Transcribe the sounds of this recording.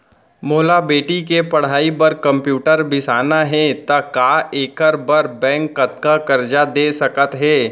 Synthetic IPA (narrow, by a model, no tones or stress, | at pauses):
moːlabeːʈikepɐɽ̤aːipɐɾkɐ̃mpjuːʈəɾbɪsaːnaɦɛ̃t̪ɐkaːeːkəɾbɐɾbɛ̃ːŋkːɐt̪kakɐɾd͡ʒad̪eːsɐkət̪ɦɛː